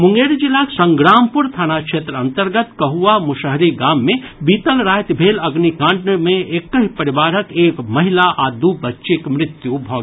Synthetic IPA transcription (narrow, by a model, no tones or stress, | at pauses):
mʊ̃ŋɡeːɾd͡ʒɪlːaksɐ̃ŋɡɾaːmpʊɾt̪ʰaːnakʃeːt̪ɾəɐ̃nt̪əɾɡət̪kɐɦuamʊʃəɦɾiɡaːmːẽbiːt̪əlɾaːjt̪bʱeːlɐɡnikãːɳɖnmẽʔekːəɦipɐɾɪʋaːɾəkeːkmɐɦɪlaʔaːd̪ubɐtːʃekmɾɪt̪jubʱɔːɡ